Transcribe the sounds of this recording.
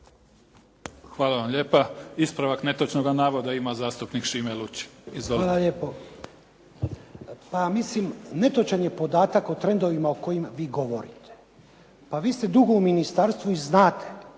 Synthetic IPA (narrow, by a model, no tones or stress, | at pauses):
xʋaːlaʋamʎe̞ːpaispɾaʋakne̞t̪ot͡ʃnoɡanaːʋod̪aimazaːst̪upnikʃimelut͡ɕi̥izʋoaːlˠaʎeːpo | pamislimne̞t̪o̞t͡ʃaɲje̞po̞d̪aːt̪akot̪ɾe̞nd̪o̞ʋimaoko̞jimʋiːɡo̞ʋo̞̰ɾḭt̪ʰe̥ | paʋiːst̪e̞d̪uɡo̞uminist̪aɾst̪ʋuiznaːt̪ʰe̥